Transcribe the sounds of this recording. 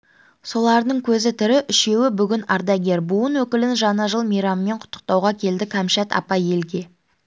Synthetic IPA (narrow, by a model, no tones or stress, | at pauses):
so̞lˠɑɾd̪əɴkʲʰɵzɪt̪ʰʏɾɪʔʏʃe̞wɪbʏɡʲɪnɑɾd̪ɑɡʲe̞ɾbuənwɵkʲɪlɪnʒɑnɑʒəlˠmijɾɑmːe̞ɴqʰʊ̥t̪ʰːə̥q̚t̪ɑwʁɑkʲʰe̞ld̪ɪkʰæmʃat̪ɑ̰pɑje̞lɡʲe̞